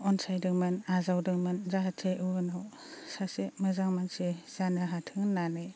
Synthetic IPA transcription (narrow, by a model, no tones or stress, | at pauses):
ɔnsajdɯŋmɯnazawdɯŋmɯnzaɦatʰeʔunaw | sasemɯzaŋmansez̥anɯɦatʰɯŋnane